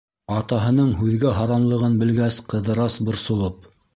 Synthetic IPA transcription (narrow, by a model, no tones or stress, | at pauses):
ɑt̪ɑɦɤ̆nɤɴhʉðɡæɦɑɾɑnlˠɤ̆ʁɤnbɘ̆lɡæsqɤ̆ðɤ̆ɾɑsbŏɾsŏlˠɤp̚